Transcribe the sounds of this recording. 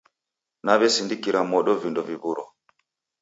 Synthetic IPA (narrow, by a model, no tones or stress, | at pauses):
naβɛsindikiɾamɔɗɔvindɔviβuɾɔ